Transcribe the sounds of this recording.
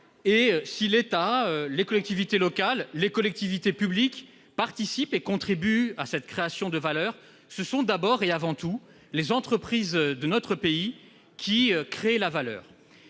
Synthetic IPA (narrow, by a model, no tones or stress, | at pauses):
eøsilet̪aølekɔlɛk̚t̪ivit̪elɔkalːekɔlɛk̚t̪ivit̪epyblik | paʁt̪isipekɔ̃t̪χibyasɛt̪kχeasjɔ̃d̪əvalœːʁ | səsɔ̃d̪abɔʁeavɑ̃t̪u | lezɑ̃t̪χəpχizd̪ənɔt̪χəpei | kʲʰiøkχelavalœ̰ːʁ